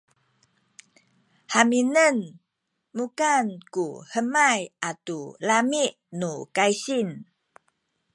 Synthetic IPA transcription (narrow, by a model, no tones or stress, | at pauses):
haminən | mukankuhəmajʔatulamiʔ | nukajsin